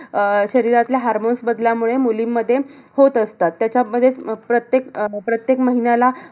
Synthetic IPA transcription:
ɕəɾiɾat̪ljaɦaɾmonsbəd̪ljamuɭemulimːəd̪ʱːjehot̪əst̪at̪ːjat͡ɕjaməd̪ʱːjepɾət̪jekpɾət̪jekməɦinala

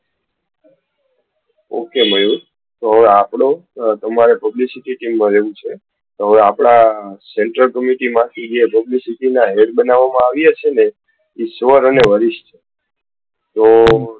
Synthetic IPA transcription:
o̰keməjũ | t̪oɦəʋeapɽõt̪əmaɾepəblisiʈiʈimːãleʋũt͡ʃʰe | t̪ɦəʋeapɽaseɳʈɾəlkəmiʈimãt̪ʰid͡ʒepəblisiʈinaɦeʈbənaʋːamãaʋjat͡ʃʰene | isʋəɾəneʋəɾiʃt͡ʃʰe̥ | t̪o

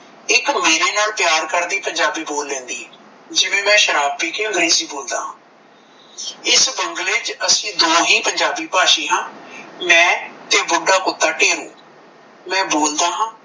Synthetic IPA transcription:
ɪkmeːɾeːnaːlpɪjaːɾkəɾd̪iːpəɲd͡ʒaːbiːboːlːɛ̃ːnd̪iː | d͡ʒɪʋẽːmɛ̃ːʃəɾaːb̚iːkeə̃ŋɡɾeːsiːboːld̪a̰ːɦãː | ɪsbəŋɡleːd͡ʒəsĩːd̪oːɦiːpəɲd͡ʒaːbiːpaːʃiːɦãːmɛ̃ːt̪eːbʊɖaːkʊt̪ːaːʈeːɾũː | mɛ̃ːboːld̪aːɦãː

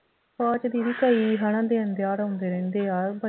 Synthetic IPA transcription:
paːd͡ʒd̪iːɾiːkəiɦaɽ̃ãːd̪eːənd̪jaːɾɦõːnd̪eːɾɛ̃ːnd̪eːaːɾbə

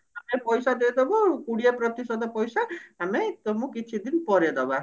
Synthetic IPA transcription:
amepɔjsad̪ed̪ɔbɔkuɽiapɾɔt̪isɔd̪ɔpɔjsaɦamet̪ɔmũkit͡ʃʰid̪inpɔɾed̪ɔba

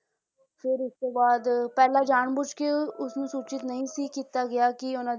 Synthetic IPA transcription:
fʰɪɾʊskeːbaːd̪pɛːlaːd͡ʒaːɳbʊt͡ʃkeʊsnũːsuːt͡ʃɪt̪nəɦĩːsiːkiːt̪aːɡɪjaːkiʊnãː

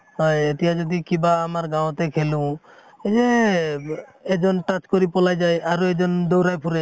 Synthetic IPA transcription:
ɦɔjet̪ijad͡ʒɔd̪ikibaːmaɾɡãw̃t̪ekʰelu | ed͡ʒe | ed͡ʒɔnʈat͡ʃkoɾipɔlajd͡ʒajaɾoed͡ʒɔnd̪ɔwɾajpʰuɾe

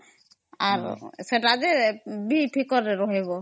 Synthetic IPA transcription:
aɾseʈad̪ebipʰikɔɾeɾɔɦeβɔ

